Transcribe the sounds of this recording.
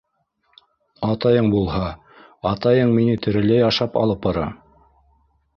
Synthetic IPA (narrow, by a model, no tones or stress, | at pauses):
ɑt̪ɑjɤɴbulˠhɑ | ɑt̪ɑjɤɴminɘt̪ɘ̆ɾɘ̆læjɑʃɑpɑ̰lˠɤp̚bɑɾɑ